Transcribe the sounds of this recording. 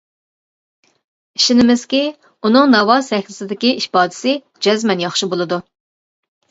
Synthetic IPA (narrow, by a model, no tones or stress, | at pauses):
iʃinɪmɪz̥kʲi | unɨŋnɑwɑsɛxʲlɪsɪd̪ɪkʲiiʃpɑːd̪ɪ̥sɪ | d͡ʒɛzmɛnjɑχʃibolˠɨd̪u